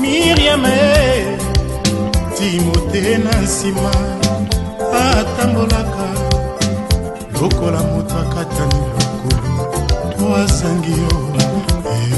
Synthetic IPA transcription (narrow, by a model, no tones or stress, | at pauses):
miʁiamɛ | timotenasima | atambolaka | lokolamotakatanilokolotoazaŋɡijɔ